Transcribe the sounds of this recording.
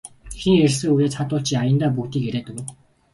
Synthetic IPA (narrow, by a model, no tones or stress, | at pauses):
xiŋersɘ̆ŋujaːt͡sʰat̪ʊːɬt͡ɕiajə̆nt̪aːp̬ukt̪iːkeɾeːt̪ə̆k